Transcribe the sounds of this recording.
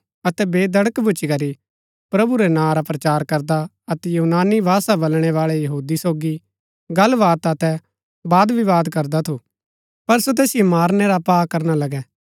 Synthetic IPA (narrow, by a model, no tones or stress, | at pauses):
ɐt̪ɛbeːd̪ɐɽəkbʱʊt͡ʃikɐɾi | pɾɐbuɾɛnãːɾapɾɐt͡ʃaːɾkɐɾd̪a | ɐt̪ɛjuːnaːnibʱaːsabɐlɽ̃ɛʋaːɭɛjɐɦuːd̪isoːɡi | ɡɐlʋaːt̪ɐt̪ɛ | baːd̪ʋiʋaːd̪kɐɾd̪at̪ʰu | pɐɾsot̪̬ɛːsɪjomaːɾneɾapaːkɐɾñalɐɡɛː